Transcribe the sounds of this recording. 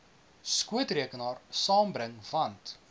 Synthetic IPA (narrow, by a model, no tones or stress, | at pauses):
skuətriəkənɑːrsɑːmbɾəŋvɐnt